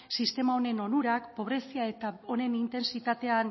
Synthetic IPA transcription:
sist̪e̞mao̞ne̞no̞nuɾakpo̞β̞ɾe̞siae̞t̪ao̞ne̞nint̪e̞nsit̪at̪e̞an

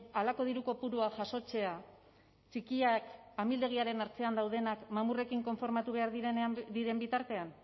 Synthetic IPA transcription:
alako̞ð̞iɾuko̞puɾuaʝaso̞t͡se̞a | t͡ʃikiakamild̪e̞ɣ̞iaɾe̞naɾt͡se̞and̪awð̞e̞nakmamure̞kiŋko̞ɱfo̞ɾmat̪uβ̞e̞aɾðeaðiɾe̞mbit̪aɾt̪e̞an

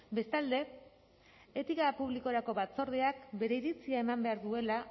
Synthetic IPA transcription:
be̞st̪ald̪e̞ | et̪ikapuβ̞liko̞ɾako̞βat͡so̞ɾð̞e̞akbe̞ɾe̞iɾit͡siae̞mambe̞aɾðue̞la

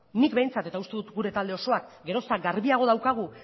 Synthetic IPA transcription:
nikbejnt͡sat̪e̞t̪aust̪e̞ðut̪ɡuɾe̞t̪ald̪e̞o̞so̞ak̚ɡe̞ɾo̞saɡaɾβiaɣ̞o̞ð̞awkaɣ̞u

